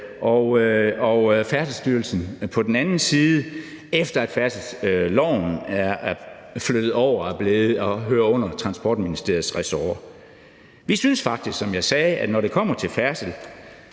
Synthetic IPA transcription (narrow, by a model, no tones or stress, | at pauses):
ʔɒʊɒfæɐslsd̥yɐlsn̩pʰɒ̽d̥enænn̩siːð̩ˠə | efd̥ɐæd̥fæɐsəl̩slɒʊ̰næɐ | flød̥ð̞̩ˠɒʊ̰ɐæb̥leːð̩ˠɒ̽ɦøːɐɔ̽n̰ɐt͡sʰʁɑ̈nsb̥ɒ̰ːd̥minisd̥e̝ɐð̩ˠsʁɛsoɐ | ʋisynsfɑ̈ɡ̥̚d̥isɡ̥sɒ̽mjɑ̈ɪsɛːʔæd̥nɒɾe̝kʰɒ̽m̰ɐt͡sʰe̝lfæɐsəl